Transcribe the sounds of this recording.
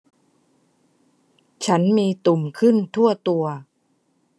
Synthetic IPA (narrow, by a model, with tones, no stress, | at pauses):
t͡ɕʰa˦˥nmiː˧t̪u˨˩mkʰɯ˥˩nt̪ʰu˥˩ɐt̪u˧ɐ